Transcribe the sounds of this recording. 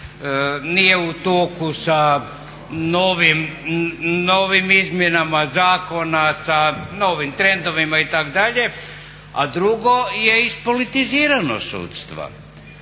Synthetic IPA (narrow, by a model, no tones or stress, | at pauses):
nije̞ut̪oːkusa | noːʋim | noːʋimizmjenamazaːko̞nasano̞ːʋimt̪ɾe̞nd̪o̞ʋimait̪akd̪aʎe | a̰d̪ɾuɡo̞je̞ispolit̪iziːɾano̰sṵːt̪st̪ʋa̰